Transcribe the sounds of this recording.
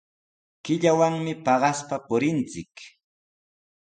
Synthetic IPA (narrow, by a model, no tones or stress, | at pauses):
kɪʎawaŋmɪpɑɢɑspapʊɾɪnt͡sɪk